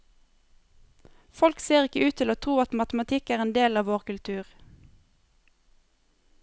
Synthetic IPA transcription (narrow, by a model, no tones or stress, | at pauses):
fɔlkseːʁɪkəʉːt̪ʰɪloːt̪ʰʁuːɑt̪mɑt̪mɑt̪ʰɪkæːʁeːnd̪eːlɑːʋoːʁkʉlt̪ʰʉːʁ